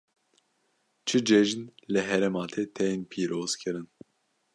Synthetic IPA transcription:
t͡ʃʰɨd͡ʒeʒinlɨɦɛɾɛmɑːt̪ʰeːt̪ʰɛjenpʰiːɾoːz̥kʰɨɾɨn

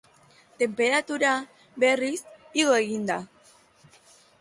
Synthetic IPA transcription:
t̪e̞mpe̞ɾat̪uɾa | βe̞risiɣ̞o̞e̞ɣind̪a

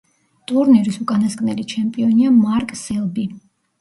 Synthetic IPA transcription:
t̪ʼuɾniɾisukʼanasɡʼnɛlit͡ʃʰɛmpʼiɔniamaɾkʼsɛlˠbi

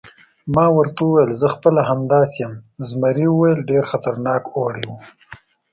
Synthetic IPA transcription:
mɑːwəɾt̪auwajəlzəxpəlaɦamd̪ɑsjəmzmaɾiwuwajəlɖeɾxat̪aɾnɑːkoɽiwu

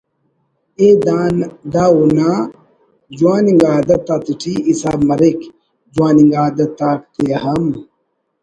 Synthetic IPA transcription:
ed̪aːnd̪auna | d͡ʒuwaːniŋɡaːd̪ɐt̪at̪iʈʰiisaːbmɐɾek | d͡ʒwaːniŋɡaːd̪ɐt̪aːkt̪ejɐhɐm

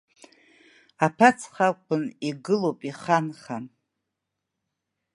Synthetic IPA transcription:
apʰat͡sʰχakʷʰʼʊniɡɨlowpʼiχanχa

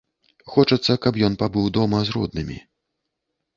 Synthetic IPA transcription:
xɔt͡ʂɐt̪sːɐkɐpjɔnpabɨwd̪ɔmɐzrɔ̰d̪nɨmʲḭ

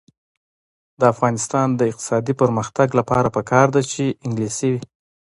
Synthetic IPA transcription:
d̪əafɣɑnɪst̪ɑnd̪əɪqt̪ɪ̥sɑd̪ipəɾməxt̪aɡlapɑɾapəkʰɑɾd̪at͡ʃeɪŋɡlisiwi

